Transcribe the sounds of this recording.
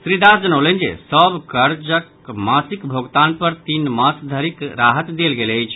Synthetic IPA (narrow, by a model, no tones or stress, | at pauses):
sɾid̪ad͡ʒənəʊlənd͡ʒḛsəbkəɾd͡ʒək | masikbʱoɡt̪anpəɾt̪inmasd̪ʱəɾikɾaɦət̪d̪elɡeləjt͡ʃʰ